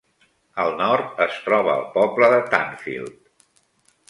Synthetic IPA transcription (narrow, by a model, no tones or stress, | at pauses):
əlˠnɔɾt̪əst̪ɾɔβ̞əːlˠpɔbləðət̪a̰nfḭlˠt̪